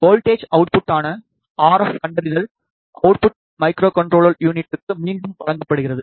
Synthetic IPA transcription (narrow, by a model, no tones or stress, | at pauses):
koːlʈeːd͡ʒɐʊʈ̚pʊʈːaːnɐ | aːɾɐfkɐɳɖɐɾɪðɐl | ʔɐʊʈ̚pʊʈ̚ | mɐɪkɾoːkɐɳʈɾoːɭɐljuːnɪʈːɯkːɯmiːɳɖɯmpɐɻɐŋɡɐpːɐɽɯɣɪrɐðɯ